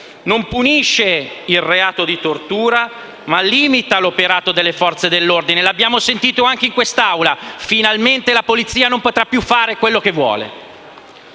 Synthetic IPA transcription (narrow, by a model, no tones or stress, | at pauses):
nompuniʃːeilreaːt̪od̪it̪ort̪uːɾa | malːiːmit̪alopeɾaːt̪od̪elːefɔrt̪sed̪elːord̪inelabjaːmosent̪iːt̪oaŋk̟eiŋkwest̪awlafinalment̪elapolit̪sːiːanompot̪ɾapːjufːaːɾekwelːok̟evːwɔ̰ːlḛ